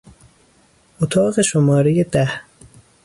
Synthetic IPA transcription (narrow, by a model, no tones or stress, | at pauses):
ʔot̪ʰɒːɣeʃomɒːɾejed̪æh